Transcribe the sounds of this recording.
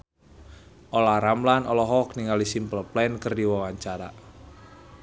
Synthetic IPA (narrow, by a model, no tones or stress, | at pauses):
ʔolaɾamlanɔlɔɦɔk̚niŋalisimpəlplɛnkərdiwawaɲt͡ʃaɾa̰